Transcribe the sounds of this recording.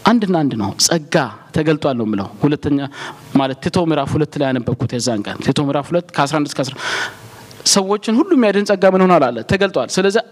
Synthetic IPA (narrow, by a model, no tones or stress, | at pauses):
ʔand̪ɨnand̪nəwsʼəɡːat̪ʰəɡəlt̪ʼwalnəwmːɨlə̰whulət̪ʰːəɲːamalət̪t̪ʰe̞t̪ʰo̞mɨɾafhulət̪ːlajanɨbːəkʰːut̪jɛzːaŋkʼə̰nt̪ʰet̪ʰo̞mɨɾafhulət̪ːkʰəasɾand̪ɨskʰəasɾa | səwːo̞t͡ʃːɪnhulːumijad̪ɨnsʼəɡːamɨnho̞nalalːət̪ʰəɡəlt̪ʼwalsɨləzːi